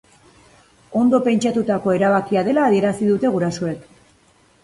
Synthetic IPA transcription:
o̞nd̪o̞pe̞nt͡ʃat̪ut̪ako̞e̞ɾaβ̞akiað̞e̞laːðie̞ɾasiðut̪e̞ɣuɾasoe̞k

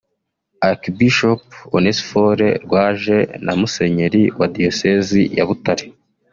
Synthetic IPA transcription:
akibiʃoponesfoɾe̞ɾɡwaːʒe̞namuse̞ɲe̞ɾiwadiosezija̰βutaɾe

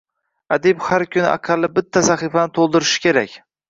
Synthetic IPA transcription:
ad̪ɪbhaɾkʲʰʊnɪʔa̰qʰɑlːɪbɪt̪ʰːasaχifanɪt̪ʰolˠd̪ɪɾɪʃɪ̥kʲʰe̞ɾakʲ

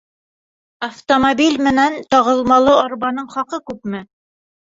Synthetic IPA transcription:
ɐft̪omobʲilʲmɘ̆nænt̪ɑʁɤ̆lˠmɑlˠɤɑɾbɑnɤɴχɑqɤkʉpmɘ

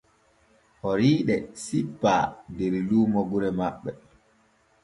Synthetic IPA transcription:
hɔɾiːɗɛsipːadeɾiluːmɔɡuɾɛmaɓːɛ

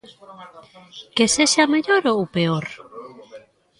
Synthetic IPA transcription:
keseʃameʎoɾowpeoɾ

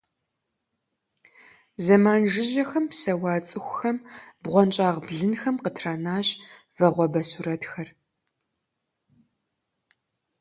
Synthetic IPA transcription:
zɐmaːnʒɪʑɐxɐmpsɐwɑːt͡sʼɨxʷʊxɐmbʁʷɔnt͡ʃʼaːʁbɮɨnxɐmqətʰraːnaːɕ | vɐʁʷɔbɐsuɾɐtxɐr

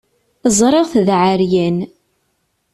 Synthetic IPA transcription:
zˤɾˤeʁθðʕaɾjæn

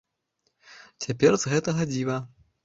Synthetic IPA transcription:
t͡sʲapʲɛrzɣɛt̪ɐɣɐd͡zʲivɐ

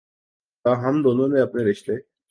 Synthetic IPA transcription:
aːɦɐmd̪oːnõmẽɐpneɾɪʃt̪e

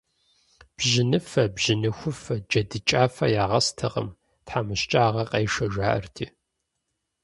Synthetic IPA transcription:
b̥ʒɪnɨfɐbʒɪnɨxʷʊfɐd͡ʒɐdɨt͡ʃʼaːfɐjaːʁɐstʰɐ̰ʁɐ̰m | tħaːmɨɕt͡ʃʼaːʁɐqʼɐjʃɐʒʷaːʔɐ̰rtʰiː

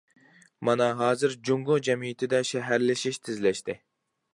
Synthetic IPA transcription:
mɑnɑɦɑːzɨɾd͡ʒuŋɡʊd͡ʒɛmijit̪ʰɪd̪ɛʃɛɦæɾlɪʃiʃt̪ʰɪzlɛʃt̪ɪ

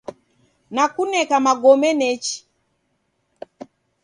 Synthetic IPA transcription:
nakunɛkamaɡɔmɛnɛt͡ʃi̥

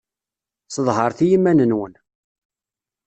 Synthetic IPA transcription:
səðˤɦəɾˤθijimːænənwən

